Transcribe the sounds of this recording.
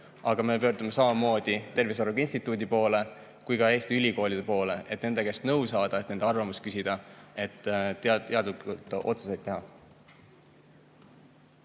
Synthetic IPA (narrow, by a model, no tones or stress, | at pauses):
ɑɡ̥ɑme̞pøːrd̪ume̞sɑmɑmo̞ːd̪̥it̪e̞rvis̬oruɡinsʲt̪it̪ːˑud̪ipo̞ːle̞ | kujkɑe̞ːst̪iylʲiko̞ːlʲid̥̪e̞po̞ːle̞e̞t̪ne̞nd̪e̞ke̞snɤ̞wsɑːd̪̥ɑe̞t̪ne̞nd̪̥ɑrvɑmuskysid̪̥ɑe̞t̪ːˑt̪ːeɑd̪likult̪ːˑʔo̞̰t̪su̥se̞jt̪ːe̞ɦɑ